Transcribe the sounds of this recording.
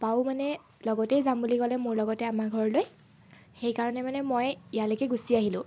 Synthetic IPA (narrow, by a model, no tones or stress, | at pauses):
paʊmanɛ | lɔɡɔtɛjzambulikɔlɛmʊɹlɔɡɔtɛamaɡʱɔɹloj | xejkaɹɔnɛmanɛmojijalekɛɡusiaɦilʊ̰̃